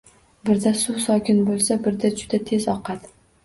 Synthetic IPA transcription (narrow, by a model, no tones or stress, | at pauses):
bɪɾd̪asʊsɒkʲɪnbolˠsabɪɾd̪ad͡ʒʊd̪at̪ʰe̞zɒqʰɑt̪